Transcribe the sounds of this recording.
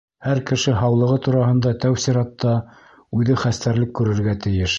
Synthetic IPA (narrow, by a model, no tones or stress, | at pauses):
hæɾkɘ̆ʃɘɦɑwlˠɤ̆ʁɤt̪uɾɑɦɤ̆nd̪ɑt̪æwsiɾɑt̪ːɑ | ʉðɘχæst̪æɾlɘkːʉɾɘ̆ɾɡæt̪ɘ̆jɘʃ